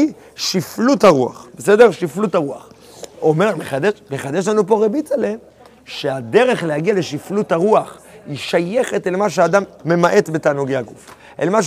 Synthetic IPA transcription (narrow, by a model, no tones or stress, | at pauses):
i | ʃifluthaʁua̰χbese̞deʁʃiflutaʁuaχ | ome̞ʁmeχadeʃmeχad̪eʃ̬lanupo̞ʁebitale | ʃead̪e̞ʁe̞χlehaɡiale̞ʃifluthaʁuaχiʃaje̞χe̞telmaʃ̬eaːd̪amːe̞maʔe̞tbe̞taːnuɡejhaɡuf | elmaʃ